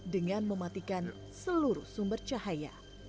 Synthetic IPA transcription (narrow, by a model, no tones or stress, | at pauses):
dəŋanməmat̪ikan | səluɾuhsumbərt͡ʃahaja̰